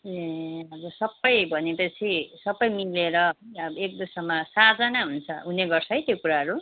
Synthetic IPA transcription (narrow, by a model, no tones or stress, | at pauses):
eʌbʌsʌbʌjbʱʌnepʌt͡sʰisʌbʌjmileɾʌek̚d̪usʌmʌsatd͡zʌnaɦunt͡sʰʌ̰ɦuneɡʌrsʰʌɦjt̪jokuɾaɦʌɾu